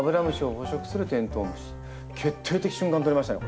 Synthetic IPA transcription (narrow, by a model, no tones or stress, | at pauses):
bɯɾamɯɕioɸoɕʰoks͈ɯɾɯt̪ent̪ʰoːmɕi̥ | ket̪ʰet̪ʰekɕ͈uŋɡant̪oɾimaɕinajo̰